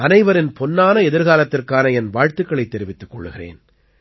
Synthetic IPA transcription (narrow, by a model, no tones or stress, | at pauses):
ɐnɐɪʋɐɾɪnpɔnːaːnɐɛðɪɾɣaːlɐt̪ːɪrkaːnɐɛnʋaːɻt̪ɯkːɐɭɐɪt̪ːɛɾɪʋɪt̪ːɯkːɔɭːɯɣɪrḛːn